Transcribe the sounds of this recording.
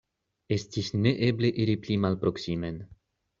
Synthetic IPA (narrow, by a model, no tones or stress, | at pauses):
escʲisnɛʔɛbleʔiɾiplʲimalpɾoksimɛn